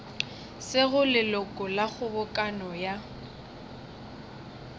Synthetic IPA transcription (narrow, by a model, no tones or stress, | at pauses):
sɪɣʊlɪlʊkʼɔlaχʊbʊkʼanɔja